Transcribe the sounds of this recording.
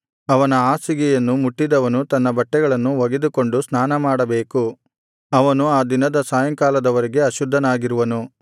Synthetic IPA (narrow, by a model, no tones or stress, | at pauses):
ɐʋɐnɐaːsiɡɛjɐnːumuʈːid̪ɐʋɐnut̪ɐnːɐbɐʈːɛɡɐɭɐnːuʋɐɡed̪uko̞ɳɖusnaːnɐmaːɽɐbe̞ːku | ɐʋɐnuaːd̪inɐd̪ɐsaːjɐŋkaːlɐd̪ɐʋɐɾiɡe̞ɐʃud̪ʱːɐnaːɡiɾuʋɐnu